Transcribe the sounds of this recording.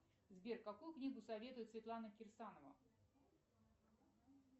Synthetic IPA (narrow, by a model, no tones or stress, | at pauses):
zbʲerkːɐkujʊknʲiɡʊsɐvʲe̞t̪ʊjɪt̪svʲɪt̪lˠanəkʲɪrsanəvə̰